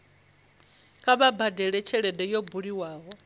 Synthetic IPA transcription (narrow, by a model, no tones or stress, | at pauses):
kʼaβabadɛɺɛt͡ʃʰɛɺɛdɛjobuɺiwaːɦɔ